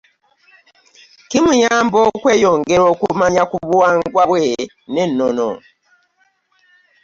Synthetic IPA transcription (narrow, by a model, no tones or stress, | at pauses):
kimujaːmbokweːjoŋɡeɾokumaɲakuβuaːŋɡwaβwe | nenːono̰